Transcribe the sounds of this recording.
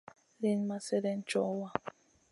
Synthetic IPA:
le˦n˦ma˦˨sɛ˦ɾɛ˦n̩˦t͡ʃɔ˦wa˦

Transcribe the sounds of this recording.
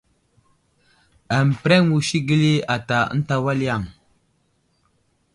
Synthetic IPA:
a˨m˨pɾe˦ŋ˦wu˨ʃi˦ɡi˦li˦a˨ta̰˨˦n̩˦ta˦wa˦li˦ja˦˨ŋ

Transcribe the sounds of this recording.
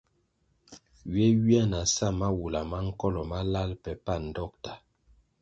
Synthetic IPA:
ɥɛ˦wi˦ɛ˦na˨sa˦˨ma˦wu˨la˨ma˦ŋ̩˦kɔ˦lɔ˨ma˦la˦lpɛ˨pa˦˨n̩˨dɔ˦k̚ta˨

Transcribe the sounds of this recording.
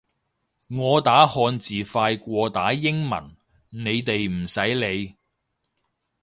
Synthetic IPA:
ŋɔː˨˧t̪aː˨˥hɔː˧nt͡siː˨˩faː˧jkʷɔː˧t̪aː˨˥jɪ˥ŋmɐ̰˨˩n | ne˨˧jt̪e˨jm̩˨˩sɐ˨˥jle˨˧j

